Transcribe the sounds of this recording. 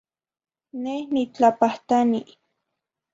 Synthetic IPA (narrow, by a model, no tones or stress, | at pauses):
nehnit͡ɬapaht̪ani